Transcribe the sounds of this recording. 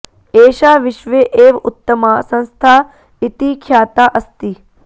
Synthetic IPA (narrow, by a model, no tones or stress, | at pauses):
eːʃaːʋɪʃʋeʔeːʋʊt̪ːɐmaːsɐ̃nst̪ʰaː | it̪ikʰjaːt̪aːʔɐst̪i